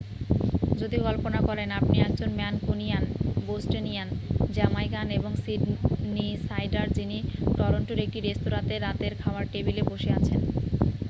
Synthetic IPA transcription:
d͡ʑod̪iɡɔlponakɔɾenapniɛɡd͡ʑonmɛnkunijanbosʈenijand͡ʑɛmajɡaneboŋsiɖnisajɖaɾd͡ʑiniʈɔɾoɳʈoɾek̚ʈiɾest̪oɾãt̪eɾːat̪eɾkʰaoaɾʈebileboʃeat͡ɕʰen

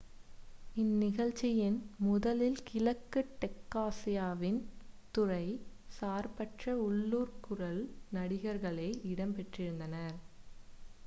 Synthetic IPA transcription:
ɪnːɪɣɐɻt͡ʃːɪjɪnmʊðɐlɪlkɪlɐkːɯʈːɛkːaːsɪjaːʋɪnt̪ʊrɐɪ | saːɾpɐʈrɐʊɭːuːɾkʊrɐlnɐɽɪɣɐɾɣɐɭeːɪɽɐmpɛʈrɪɾɯnd̪ɐnɐɾ

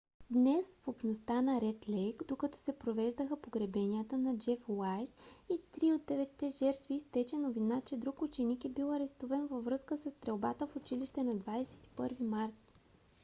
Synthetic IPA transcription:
d̪nɛsfopʃnost̪anɐɾɛt̪lɛjkd̪okɐt̪ɔ̥sɛpɾovɛʒd̪əxəpoɡɾɛbɛniət̪ənɐd͡ʒɛfwajt̪it̪ɾiod̪̚ːɛvɛt̪ːɛʒɛɾt̪vist̪ɛt͡ʃɛnovinat͡ʃɛd̪ɾukʊt͡ʃɛnikɛbilˠɐɾɛst̪uvɛnvɐvɾɤskəsɐst̪ɾɛlˠbat̪əfʊt͡ʃiliʃt̪ɛnɐd̪vad̪ɛsɛ̥t̪i̥pɤɾvimaɾt̪

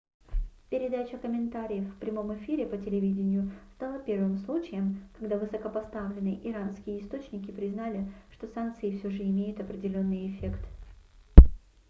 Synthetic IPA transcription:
pʲɪɾʲɪd̪at͡ɕəkəmʲɪnt̪aɾʲɪjəfpɾʲɪmo̞mɨfʲiɾʲɪpətʲɪlʲɪvʲidʲɪnʲɪjʊst̪alˠəpʲe̞rvɨmslˠut͡ɕɪjəmkɐɡd̪avɨsəkəpɐst̪avlʲɪnːɨjʔɪɾanskʲɪjəɪst̪o̞t͡ɕnʲɪkʲɪpɾʲɪznalʲɪʂt̪o̞sank̚t̪sɨɪfsʲoʐɨɪmʲejʊt̪ɐpɾʲɪdʲɪlʲo̞nːɨjɪfʲe̞kt̪

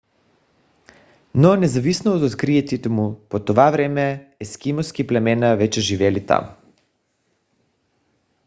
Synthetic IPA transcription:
nɔnɛzavisnoːt̪ot̪kɾiɛt̪it̪ɛmupot̪ovavɾɛmɛːskimɔskiplɛmɛnavɛt͡ʃɛʒivɛlit̪a̰m

